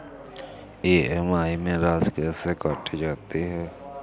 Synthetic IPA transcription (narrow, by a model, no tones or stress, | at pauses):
eːɛmaːimẽɾaːzkɛːsekaːʈid͡ʒaːt̪iɦɛː